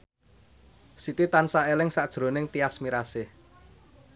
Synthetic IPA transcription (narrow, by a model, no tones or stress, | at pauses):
sit̪it̪ansaelɪŋsaʔd̥ʒ̥ɾo̤nɪŋt̪iasmiɾasɪh